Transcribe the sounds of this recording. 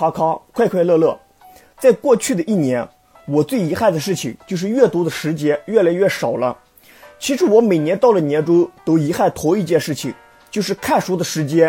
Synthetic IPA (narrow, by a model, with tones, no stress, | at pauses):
a˥kʰɑ˥kʰwa˥˧ɪkʰwa˥˧ɪlɤ˥˧lɤ˥˩ | t͡sa˥˧ɪkwɔ˥˧t͡ɕʰy˥˩d̪ə˩ʔi˥˩njɛ˧˥n | wɔ˨˩t͡swe˥˩ɪi˧˥xa˥˩ɪd̪ə˩ʂɻ̩˥˩t͡ɕʰḭ˨˩ŋt͡ɕjo˥˧ʊʂ̬ɻ̩˥˧ɥɛ˥˩t̪u˧˥d̪ə˨ʂɻ̩˧˥t͡ɕjɛ˥nɥɛ˥˩la˧˥ɪɥɛ˥˩ʂɑ˨˩ʊlə̰˦ | t͡ɕʰi˧˥ʂɻ̩˧˥wɔ˧˥me˨˩ɪnjɛ˧˥nt̪ɑ˥˩ʊlə˩njɛ˧˥nʈ͡ʂo˥t̪o˥ʊi˧˥xa˥˩ɪt̪ʰo˧˥ʊi˥˧t͡ɕjɛ˥˧nʂɻ̩˥˩t͡ɕʰḭ˨˩ŋ | t͡ɕjo˥˧ʊʂ̬ɻ̩˥˧kʰa˥˩nʂu˧˥d̪ə˨ʂɻ̩˧˥t͡ɕjɛ˥